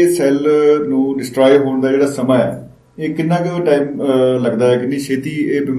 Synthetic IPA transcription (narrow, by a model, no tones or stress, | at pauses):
eːsɛːlnũːɖɪsʈɾaːjɦoːɳd̪aːd͡ʒeːɽaːsəmaːɛ̰ː | eːkɪnːãːkɪʈaːiːmləɡd̪aːɛːkɪnːeːʃʰeːt̪iːeːbɪm